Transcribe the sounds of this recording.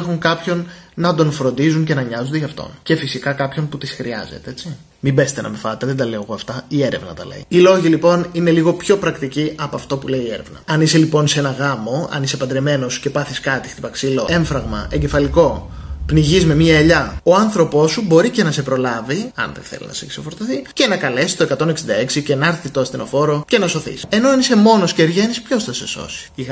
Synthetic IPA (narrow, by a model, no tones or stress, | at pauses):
exuŋkɐpço̞nnɐd̪o̞nfɾo̞nd̪izuɲce̞nɐɲɐzond̪eʝɐft̪o̞̰nce̞fisikɐkɐpço̞nput̪isxɾḭɐ̰zḛt̪eet͡si | mibe̞st̪enɐ̰mefɐt̪eðend̪ɐle̞oɣoɐft̪ɐie̞ɾevnɐ̰t̪ɐ̰lḛiilo̞ʝilipo̞nine̞liɣo̞pço̞pɾɐkt̪iciʔɐpoɐft̪o̞puleiːeɾevnɐ̰ɐniselipo̞nsenɐɣɐmo̞ɐ̰nise̞pɐd̪ɾeme̞no̞sce̞pɐθiskɐt̪ixt̪ipɐksiloe̞ɱfɾɐɣmɐ̰ʔe̞ɲɟe̞fɐliko̞pniʝizme̞miɐeʎɐoɐnθɾo̞po̞subo̞ɾice̞nɐse̞pɾo̞lɐviɐ̰nðeθḛlḭnɐ̰seksefoɾt̪oθice̞nɐkɐle̞si̥st̪oe̞kɐt̪o̞ne̞ksind̪ɐe̞ksicenɐɾθit̪oɐst̪ino̞fo̞ɾo̞ce̞nɐso̞θḭse̞no̞ɐnise̞mo̞no̞sceːɾʝe̞nispço̞sθɐse̞so̞̰si̥i